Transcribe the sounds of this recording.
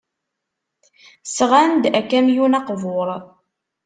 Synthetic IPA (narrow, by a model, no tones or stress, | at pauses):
sʁænd̪ækæmjunɑqvoɾˤ